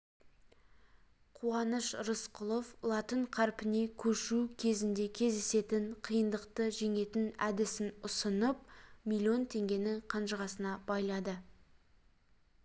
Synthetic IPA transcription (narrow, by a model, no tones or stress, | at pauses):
qʰuɑnəʃɾəsqʰʊlˠo̞flˠɑt̪əɴqʰɑɾpɪne̞kʲʰɵʃukʲʰe̞zɪnd̪e̞kʲʰe̞zd̪ese̞t̪ɪɴqʰijənd̪əqt̪əʒe̞ŋe̞t̪ɪnæd̪ɪsɪnʊsənəp̚mʲilʲˠio̞nt̪ʰe̞ŋɡʲe̞nɪŋqʰɑnʃəʁɑsənɑb̥ɑjlˠɑd̪ə